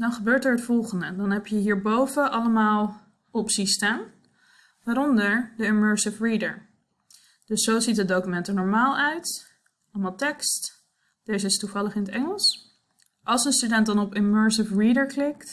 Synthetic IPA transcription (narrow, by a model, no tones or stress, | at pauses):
dɑnχəbøːɹtɛɹɦətfɔlˠχəndədɑnɦɛpjəɦiːɹbowvəʔɑləmaːlˠ | ɔpsistaːn | ʋaːɾɔndəɹdəɪmøːɹsɪfɹidə̰ɹ | d̥ɵsːowzitɦəd̚owkymɛntənɔɹmaːlˠœɥt | ɑləmaːlˠtɛkst | d̥ejzəɪstuvɑləχɪnətɛŋəlˠs | ʔɑlˠsənstydɛntdɑnɔpɪmøːɹsɪfɹidəɹklɪkt